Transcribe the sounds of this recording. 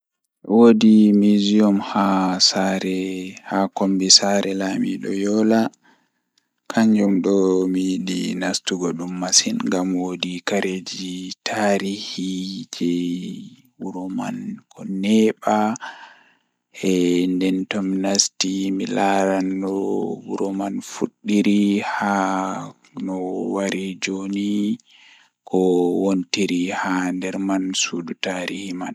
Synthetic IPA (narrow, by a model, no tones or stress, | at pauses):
wodimiziɔmhasaɾɛhakombisaɾʔɛlamḭɗɔ̰jɔla | kʰaɲd͡ʒɔmɗɔmijiɗḭnastuɡɔɗumːasinŋɡamwodikaɾed͡ʒitʰaɾihid͡ʒɛ | wuɾɔma̰nkɔnɛɓa | ɛndɛntɔmnastimilaɾanːɔwuɾɔmanfuɗːiɾiha | nɔwaɾid͡ʒoni | kʰɔwontiɾihandɛɾmansuːdutaɾihiman